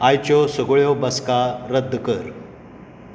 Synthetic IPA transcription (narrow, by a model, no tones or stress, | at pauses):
ajt͡ɕjɔsəɡɭjɔbəskaɾəd̪ʱːkəɾ